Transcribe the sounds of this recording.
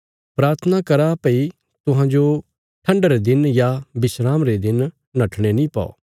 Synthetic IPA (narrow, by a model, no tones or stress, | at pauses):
pɾaːɾt̪ʰənakɐɾapɐi | t̪ʊɦãd͡ʒo | ʈʰɐ̃ɳɖɾed̪ɪnjabɪsɾaːmɾed̪ɪnː | ɐʈʰɽ̃enĩpa̰o̰ː